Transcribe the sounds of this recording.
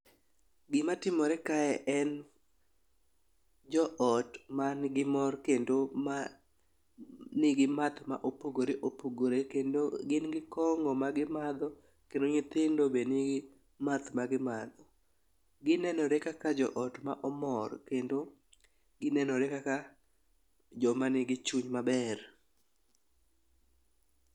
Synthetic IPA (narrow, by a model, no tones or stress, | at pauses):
ɡɪmatɪmɔɾɛkaɛʔɛn | d͡ʒɔʔɔtmanɡɪmɔrkendoma | nɪɡɪmat̪ma̰ʔopoɡoɾeʔopoɡoɾekendoɡɪnɡɪkɔŋɡɔmaɡɪmad̪ɔ | kendoŋɪt̪ɪndobenɪɡɪ | mat̪maɡɪmad̪ɔ | ɡɪnɛnɔɾekakad͡ʒɔʔɔtma̰ʔɔmɔrkendo | ɡɪnɛnɔɾekaka | d͡ʒɔmanɪɡɪt͡ʃuɲmabɛr